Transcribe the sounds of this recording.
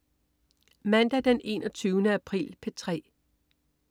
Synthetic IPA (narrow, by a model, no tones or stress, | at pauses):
mænd̥æd̥ene̝̰ːnɒ̽t͡sʰyːʊnəæpʰʁḭːlpʰet͡sʰʁɛ̰ː